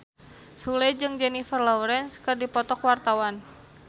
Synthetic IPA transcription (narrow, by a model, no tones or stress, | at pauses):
sulɛd͡ʒɨŋd͡ʒɛnifərlɔwɾɛnskɨrdipɔt̪ɔkwart̪awan